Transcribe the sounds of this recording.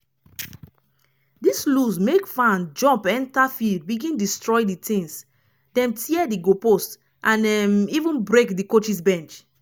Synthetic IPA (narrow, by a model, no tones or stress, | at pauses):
dislusmekfãnd͡ʒɔ̃mpɛ̃ntafild̚biɡĩndistɹɔɪditĩŋs | dɛ̃mtʰiɛdiɡopost | ʔãnɛmivũnbɹekdikot͡ʃis̬bɛ̃nt͡ʃ